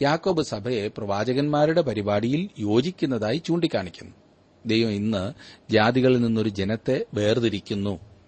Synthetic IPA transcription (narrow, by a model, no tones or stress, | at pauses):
jaːkːo̞ːbɨsɐbʱɐje̞prɐʋaːd͡ʑɐɣɐnmaːɾuɽe̞pɐɾibaːɽijiljo̞ːd͡ʑikʲːunːɐðaːjit͡ɕuːɳɖikʲːaːɳikʲːunːu | ɐd̪ːejʋɐminːɨd͡ʑaːd̪iɣɐɭilninːo̞ɾud͡ʑe̞nɐt̪ːe̞ʋe̞ːrðiɾikʲːunːu